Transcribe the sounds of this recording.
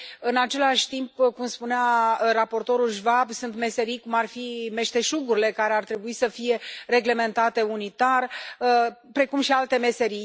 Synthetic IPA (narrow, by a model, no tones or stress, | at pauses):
ɨnat͡ʃe̞laʃʲt̪impkumspunearapo̞rt̪o̞ɾulʒvabsunt̪me̞se̞ɾijkumarfime̞ʃt̪e̞ʃuɡuɾile̞kaɾe̞art̪ɾe̞buisəfije̞re̞ɡle̞me̞nt̪at̪e̞unit̪arəpɾe̞kumʃialt̪e̞me̞se̞ɾij